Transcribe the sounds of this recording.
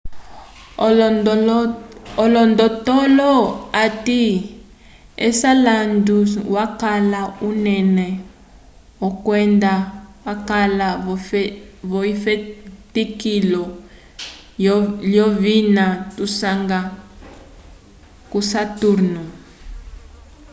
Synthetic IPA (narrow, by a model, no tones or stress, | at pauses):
ɔlɔndɔtɔlɔati | ɛ̰salanduwakalaunɛnɛ | ɔkwɛndawakalaɔ | βɔifetikilɔ | ljɔvinatusaŋɡa | kusatuɾnu